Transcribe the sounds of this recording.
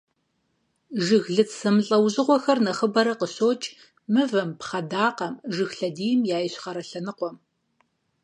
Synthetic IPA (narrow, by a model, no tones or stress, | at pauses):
ʒɨɣɮɨt͡ssɐmɬʼɐwʑɪʁʷɔxɐrnɐχəbɐɾɐqəɕoːt͡ʃʼ | mɨvɐmpχɐdaːqɐmʒɨxɬɐdiːjmjaːjɪɕχɐɾɐɬɐnɨqʷɔm